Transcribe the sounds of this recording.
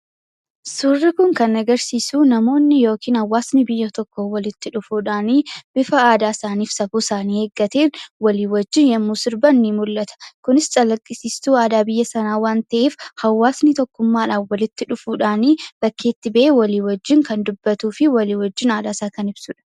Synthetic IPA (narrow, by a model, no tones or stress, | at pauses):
sʊrːɪkʊŋkɐnɐɡɐɾsiːsuːnɐmo̞ːnːɪjo̞ːkʰiːnhɐwːaːsnɪbɪjːɐt̪ɔkːowɐlɪt̪ːɪᶑʊfuːᶑaːniːb̥ɪfɐaːd̪aːɪsaːniːfsɐbuːɪsaːniːheːɡːɐt̪eːnwɐliːwɔd͡ʒːɪnjɐmːuːsɪɾbɐnːimʊlːɐt̪ʰɐ̥kʊnɪst͡ʃʼɐlɐkʼːɪsiːst̪uːaːd̪aːbɪjːɐsɐnaːwaːnt̪ɐʔeːfhɐwːaːsnɪt̪ɔkːʊmːaːᶑaːfwɐlɪt̪ːɪᶑʊfuːᶑaːniːb̥ɐkʰːeːt̪ːɪbɐʔeːwɐliːwɔd͡ʒːɪŋkɐnd̪ʊbːɐt̪uːfɪwɐliːhwɔd͡ʒːɪnaːd̪aːsaːkɐnɪbsʊᶑɐ̥